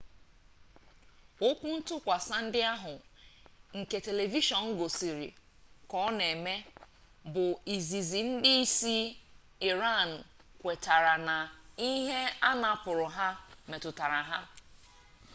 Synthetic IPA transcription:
o˦kʷu˦n̩˦tʊ˦kʷa˨sa˦n̩˦dɪ˦a˦ɦʊ˨ | ŋ̩˨ke˨te˨le˨vi˦ʃɔ˨n̩˦ɡo˨si˨ɾḭ˨ | kɔ˦ne˨me˦ | bʊ˨i˨zi˨zi˨n̩˦dɪ˦i˦si˦ | i˨ɾa˦˨n̩˨kʷe˨ta˨ɾa˨na˨i˦ɦe˦a˦na˨pʊ˨ɾʊ˨ɦa˦me˨tʊ˨ta˨ɾa˨ɦa˦

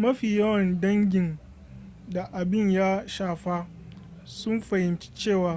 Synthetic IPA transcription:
mɐ˦ɸiː˨jɐ˦wɐ˨ndɐ˦ŋɡʲɪ˨n | da˨ʔa˨bɪ˦˨ɲjaː˦ʃaː˨ɸa˦ | sʊ˦mɸɐ˨hɪ˨mt͡ʃi̥˦t͡ʃeː˦˨waː˦

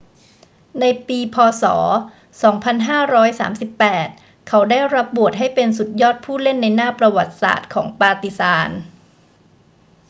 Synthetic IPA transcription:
na˧jpiː˧pʰɔː˧sɔ̰ː˩˦ | sɔː˩˦ŋpʰa˧nɦaː˥˩ɾɔː˦˥jsa̰ː˩˦msi˨˩pːɛː˨˩t̪̚ | kʰa˩˦˥wdaː˥˩jɾa˦˥p̚bu˨˩ət̪̚ɦa˥˩jpe˧nsu˨˩t̪̚jɔː˥˩t̪̚pʰuː˥˩le˥˩nːa˧jnaː˥˩pɾa˧wa˨˩t̪̚sa̰ː˨˩t̪̚kʰɔ̰ː˩˦ŋpaː˧t̪i˨˩saː˨˧˦n

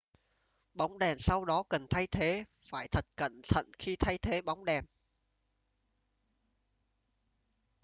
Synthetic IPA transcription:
ɓa˨˦wŋ͡mɗɛ˨˩nsa˧wɗɔ˨˦kə˨˩nt̪ʰa˧jt̪ʰe˨˦faː˧˩jt̪ʰə˨˩t̚kə̰˧˨nt̪ʰə̰˧˨nxi˧t̪ʰa˧jt̪ʰe˨˦ɓa˨˦wŋ͡mɗɛ˨˩n

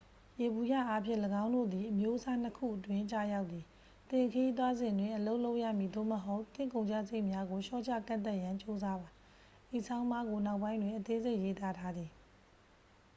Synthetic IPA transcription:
je˨bu˨ja̰˦˨ʔa˦pʰjɪ̰̃˦˨ləɡã˦ʊ̃ndo̰˦˨d̪i˨ʔəmjo˦ʔəsa˦n̥əkʰṵ˦˨ʔətwɪ̃˦˨t͡ɕa̰˦˨ja˦ʊʔt̪ːi˨ | t̪ɪ̃˨kʰə˨ji˦t̪̬wa˦zɪ̃˨ndwɪ̃˦˨ʔəlo˦ʊʔlo˦ʊʔja̰˦˨mji˨d̪o̰˦˨məɦo˦ʊt̪ːɪ̰̃˦˨kõ˨ʊ̃ɲd͡ʑa̰˦˨ze˦ɪʔmja˦ɡo˨ʃɔ̰˦˨t͡ɕʰa̰˦˨kã̰˦˨nt̪a˦ʔjã˨ɲt͡ɕo˦za˦ba˨ | d̥i˨sʰã˦ʊ̃mba˦ɡo˨na˦ʊʔpːã˦ɪ̃nwɪ̃˨ʔət̪e˦ze˦ɪʔje˦t̪a˦tʰa˦d̪ði˨

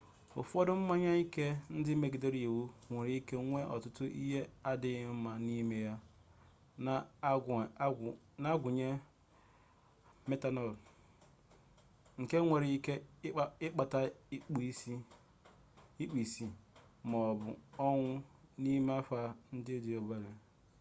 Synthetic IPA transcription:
o̰˨fɔ˦dʊ˦m̩˦ma˦ɲa˦i˦ke˦n̩˦dɪ˦me˦ɡe˨de˦ɾi˨e˨wu˦ŋʷe˨ɾi˦i˦ke˦ŋʷe˦ʔɔ̰˨tʊ˦tʊ˦ʔi˦ɦe˦a˦dɪ˨˦m̩˦ma˨ni˦me˦ja˦ | a˨˦˨ | na˦ɡʷʊ˨ɲe˦ | me˦ta˦nɔ˦˨l | ŋ̩˨ke˦ŋʷe˨ɾi˦ke˦ɪ˦k͡pa˨ta˦k͡pi˦ | i˦k͡pi˨si˨ | mɔ˨bʊ̰˨ɔ˦ŋʷʊ˦ni˦me˦a˦fa˦n̩˦dɪ˦di˨o˨ba˦ɾe˨

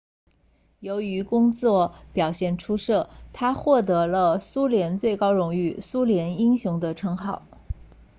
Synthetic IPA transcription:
jo˧˥ʊy˧˥kʊ˥ŋt͡swɔ˥˩pjɑ˨˩ʊɕjɛ˥˩nʈ͡ʂʰu˥ʂɤ˥˩t̪ʰa˥xwɔ˥˩t̪ɤ˧˥lə˧su˥ljɛ˧˥nt͡swe˥˩ɪkɑ˥ʊɻʊ˧˥ŋy˥˩su˥ljɛ˧˥ni˥ŋɕjʊ˧˥ŋd̪ə˧ʈ͡ʂʰɤ˧˥ŋxɑ˥˩ʊ

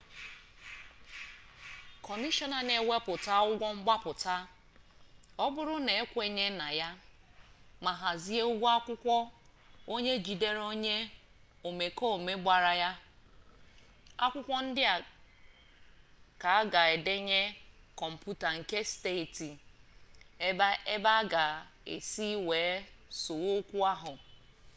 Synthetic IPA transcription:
kɔ˨ni˦ʃɔ˦na˨ne˨we˦pʊ˨ta˦ʊ˦ɡʷɔ˦ŋ͡m̩˦ɡ͡ba˦pʊ˨ta˦ | ɔ˦bʊ˦ɾʊ˦ne˨e˦kʷe˦ɲe˦na˨ja˦ | ma˨ɦa˨zi˦e˦ʊ˦ɡʷa˦kʷʊ˦kʷɔ˦ | o˦ɲe˦d͡ʒi˨de˦ɾo˦ɲe˦ | o˨me˨ko˦˨me˦ɡ͡ba˨ɾa˨ja˦ | a̰˦kʷʊ˦kʷɔ˦n̩˦dɪ˦a˨ | ka˨a˦ɡa˨e˨de˦ɲe˦ | kɔ˨m̩˨pu˦ta˨ŋ̩˨ke˦ste˦˨ti˨˦ | e˦ba˦ɡa˨ḛ˨si˦weː˨˦so˨wo˦kʷu˦a˦ɦʊ˨

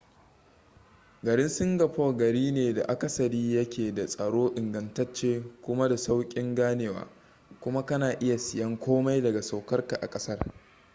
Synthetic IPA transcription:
ɡɐ˨ɽɪ˦nsʊ˦ŋɡɐ˨ɸo˦˨ɡɐ˨ɽiː˦neː˨da̰˨ʔa˦kɐ˨sɐ˨ɽiː˦jɐ˦kʲʰeː˨da˨sʼɐ˨ɽoː˦ʔɪ˨ŋɡɐ˨ntɐ˦t͡ʃːeː˦kʷʊ˦ma˦da˨sa˦wkʲʼɪ˦ŋɡaː˦neː˨wa̰ː˨ | kʷʊ˦ma˦kɐ˦naː˨ʔɪ˦ja˨sɪ˨jɐ˦ŋkʷoː˦ma˦jdɐ˨ɡa˨sa˨wkɐ˦rka˨ʔa̰˨kʼɐ˦sɐ˦r

